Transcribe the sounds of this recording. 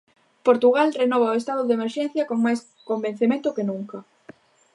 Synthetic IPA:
poɾt̪uɣalrenɔβ̞ɐoest̪aðʊðemeɾʃɛn̟θjɐkoŋmajs | komben̟θemẽnt̪ʊkenuŋkɐ

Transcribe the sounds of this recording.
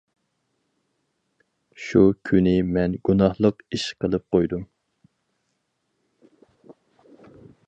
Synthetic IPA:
ʃukʲʰynɪmɛnɡunɑhlˠəqiʃqʰəlˠɨp̚qojd̪um

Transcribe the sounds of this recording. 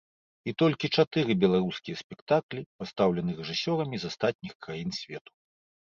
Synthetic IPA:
it̪ɔlʲkʲit͡ʂat̪ɨɾɨbʲɛlˠaɾuskʲijɐsʲpʲɛkt̪aklʲipast̪awlʲɛnɨrɛʐɨsʲɔɾɐmʲizast̪at̪̚ʲnʲixkɾajinsʲvʲɛt̪u̥

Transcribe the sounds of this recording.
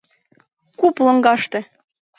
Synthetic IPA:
kuplɤ̆ŋɡɑʃt̪ĕ

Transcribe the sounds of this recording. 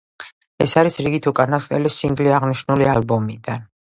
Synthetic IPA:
ɛ̰saɾisɾiɡit̪ʰukʼanast̪ʼɛlisiŋɡliaʁniʃnulialbɔmid̪an

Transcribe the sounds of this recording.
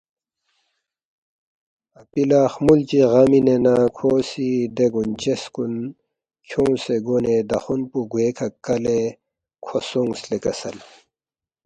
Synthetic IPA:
ɐpilaxmult͡ɕiɣɐminenakʰoːsid̪eɡunt͡ɕeskun | kʰũːseɡoned̪ɐxunpuɡweːkʰɐkɐle | kʰosuŋɡslekɐsɐ̰l

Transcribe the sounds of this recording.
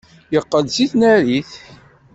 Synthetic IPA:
jəqːəlsiθnæɾiθ

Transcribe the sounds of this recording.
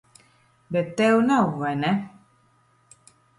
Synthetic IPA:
bɛtɛwnawɛnɛ

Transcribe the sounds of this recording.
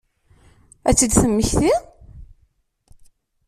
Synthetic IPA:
æ̰t͡sːəd̪θəmːəçθi

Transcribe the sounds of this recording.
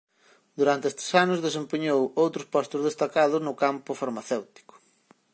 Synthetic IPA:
d̪uɾant̪eest̪e̥sanʊzðes̬empeɲowowt̪ɾʊspɔst̪ʊzðest̪akaðʊznʊkampʊfaɾmaθewt̪i̥kʊ̥

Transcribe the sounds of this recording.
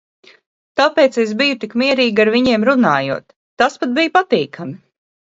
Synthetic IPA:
t̪apeːt̪sesbijut̪ikmiɛɾiːɡʲaɾviɲiɛmɾunaːjṵɔt̪ːaspat̪̚bijupat̪iːkʰami

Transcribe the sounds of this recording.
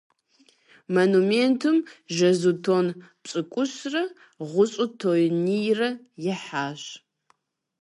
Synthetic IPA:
mɐnumentʰɨmʒɐzutʰoːnpt͡sʼɨkʷʼʊɕrɐ | ʁʷʊɕʼʊtʰoːjnijrɐ | jɛħaːɕ

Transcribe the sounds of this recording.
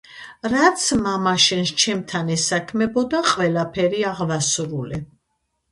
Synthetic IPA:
ɾat̪sʰmamaʃɛnst͡ʃʰɛmt̪ʰanɛsakʰmɛbɔd̪aqʼwvɛlapʰɛɾiaʁvasɾuli

